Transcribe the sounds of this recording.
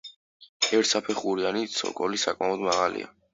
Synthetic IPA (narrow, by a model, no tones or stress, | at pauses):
ɛɾt̪sapʰɛχuɾianit̪sʰɔ̰kʼɔlisakʼmaɔd̪maʁalḭa̰